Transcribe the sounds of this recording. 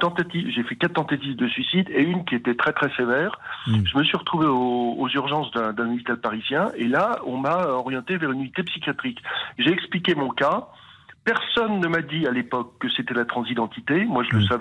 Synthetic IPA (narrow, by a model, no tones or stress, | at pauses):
t̪ɑ̃t̪at̪ivʒefɛkat̪t̪ːɑ̃t̪at̪ivd̪əsɥisid̪eynkʲiet̪ɛt̪χɛt̪χɛsevɛːʁʒəməsɥiʁət̪χuveoozyʁʒɑ̃sd̪ɛ̃d̪ɛ̃nɔpit̪alpaʁizjɛ̃ʔelaɔ̃maɔʁjɑ̃t̪evɛʁynynit̪epsikʲjat̪χikʒeɛksplikʲemɔ̃ka | pɛʁsɔnːəmad̪ialepɔkːəset̪ɛlat̪χɑ̃zid̪ɑ̃t̪it̪emwaʒələsavɛ